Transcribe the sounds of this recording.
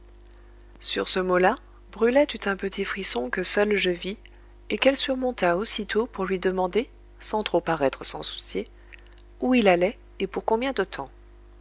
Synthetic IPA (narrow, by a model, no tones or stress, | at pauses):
sy̰ʁsəmola | bʁylɛt̪yt̪ɛ̃pət̪ʰifχisɔ̃kəsœlʒəvi | ekɛlsyʁmɔ̃t̪aosit̪ʰopuʁlɥid̪əmɑ̃d̪e | sɑ̃t̪χopaʁɛt̪χəsɑ̰̃su̥sje | uilalɛ | epuʁkɔ̃bjɛ̃d̪ət̪ʰɑ̃